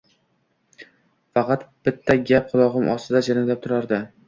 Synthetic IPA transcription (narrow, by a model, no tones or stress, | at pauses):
fɑqʰɑt̪b̥ɪt̪ʰːaɡʲap̚qʰʊlˠɒʁɨmʔɒ̰st̪ɪd̪ad͡ʒaɾɪŋlap̚t̪ʰʊɾaɾd̪ɪ